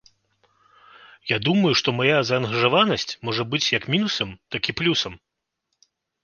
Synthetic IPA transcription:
jad̪umɐjuʂt̪ɔmajazɐːnɣɐʐavanɐsʲt͡sʲmɔʐɐbɨt͡sʲjɐkmʲinusɐmt̪akʲiplʲusɐm

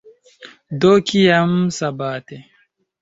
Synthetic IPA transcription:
d̪okijɐmsɐbaːt̪e

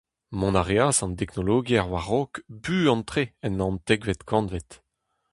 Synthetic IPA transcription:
mɔ̃naʁeasɑ̃nt̪ɛknoloːɡiaʁwaʁokbyːɑ̃nt̪χeɛnɑ̃nt̪ɛɡvɛt̪kʰɑ̃nvet̪

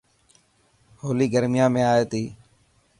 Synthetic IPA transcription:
hoːliːɡəɾmɪjãːmẽːaːeːt̪iː

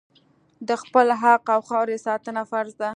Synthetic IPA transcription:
d̪əxpəlɦaqawxɑwɾesɑt̪ənafaɾzd̪a

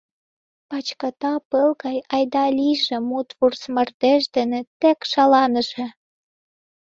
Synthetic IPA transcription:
pɑt͡ɕkɑt̪ɑpəlɣɑjɑjd̪ɑlʲiʒĕmut̪βursmə̆rt̪eʃd̪ĕnĕt̪ekʃɑlɑnə̆ʒĕ

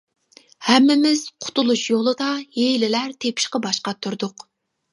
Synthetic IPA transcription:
hɛmːɪmɪz̥qʰʊ̥t̪ʰulˠuʃjolˠɨd̪ɑjelɪlæɾt̪ʰepʰɪ̥ʃqɑbɑʃqɑt̪ʰːuɾd̪ʊq

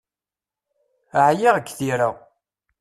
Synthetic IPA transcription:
əʕjaʁəkːθiɾa

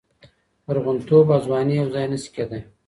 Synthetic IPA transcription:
aɾɣʊnt̪ʰobɑzwɑnijawzɑjnəsi̥kʲed̪aj

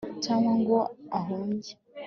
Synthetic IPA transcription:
tʰamaŋɡoaɦomɟe̥

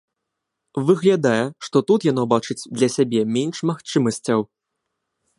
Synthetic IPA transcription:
vɨɣlʲad̪ajɛʂt̪ɔt̪ut̪jan̪ɔbat͡ʂɨt͡sʲd̪lʲɐsʲabʲɛmʲɛnʂmaxt͡ʂɨmɐsʲt͡sʲɐw

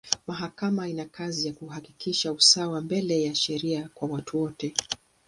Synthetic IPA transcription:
maɦakamainakazijakuhakikiʃausawambɛlɛjaʃɛɾiakwawatuwɔtɛ

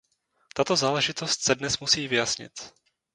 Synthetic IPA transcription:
t̪at̪o̞zaːlɛʒɪt̪o̞st̪̚sɛdnɛsmusiːvɪjasɲɪ̰t̪

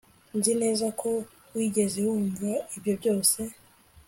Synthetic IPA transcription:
nzine̞ːzakʰo̞ | wiːɡe̞zehuːɱvaibjo̞bjo̞ːse̞

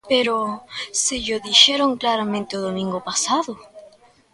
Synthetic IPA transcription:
pe̞ɾoseʎoðiʃeɾoŋklaɾamẽnt̪eoðomĩŋɡopasaðo

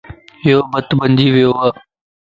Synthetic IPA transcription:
ɦɪjoːbət̪bənd͡ʒiːʋɪjoːɦaː

